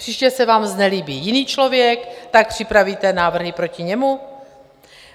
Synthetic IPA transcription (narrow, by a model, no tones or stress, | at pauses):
r̥iːʃcɛsɛvaːmznɛliːbiːjɪniːt͡ʃlo̞vjɛkt̪ak̚pr̥ɪpɾaviːt̪ɛnaːvr̩ɦɪpɾo̞cɪɲɛmu